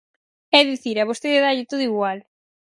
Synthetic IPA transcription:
ɛðiθiɾaβost̪eðeðaʎɪt̪oðuiɣwal

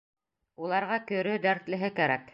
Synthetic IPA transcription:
ulˠɑɾʁɑkɵ̆ɾɵd̪æɾt̪lɘ̆ɦɘkæɾæk

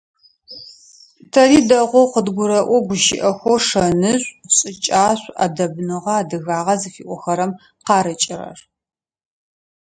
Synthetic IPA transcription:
tʰɐriːdɐʁʷɔwqədɡʷʊɾɐʔʷɔɡʷʊʃɪ̰ʔɐxʷoʂɐnɨɕʷʼɕʼɪt͡ʃʼaːɕʷa̰dɐbnɨʁɐaːdɨɣaːʁɐzɨfiːʔʷɔxɐɾɐm | qɑːɾɨt͡ʃʼɪrɐ̰r

